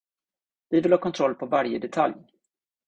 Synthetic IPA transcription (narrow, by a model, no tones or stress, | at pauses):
vɪvɪlhɑːkɔnt̪ʰɾɔlːpʰɔvaɾjəd̪ɛt̪ʰa̰lj